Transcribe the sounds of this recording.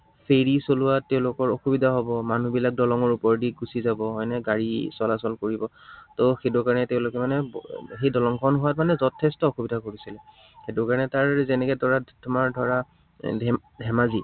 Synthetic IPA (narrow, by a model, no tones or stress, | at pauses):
fʰeɹisolʊwatːɛʊ̃lʊkɔɹoxubidʱaɦɔbɔmanubilak̚dɔlɔŋɔɹupɔɹdiɡusizabɔɦɔjnɛɡaɹisɔlasɔlkoɹibɔtoxedʊkaɹɔnɛtɛʊ̃lʊkɛmanɛbxejdɔlɔŋkʰɔnɦʊatmanɛzɔtʰːɛstɔoxubidʱakoɹisilɛ | xedʊɹkaɹɔnɛtaɹzɛnɛkɛdʱɔɹatʰʊmaɹdʱɔɹa | dʱɛ | dʱɛmazi